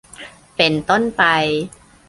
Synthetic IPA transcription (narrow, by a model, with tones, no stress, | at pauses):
pe˧nt̪o˥˩npa˧j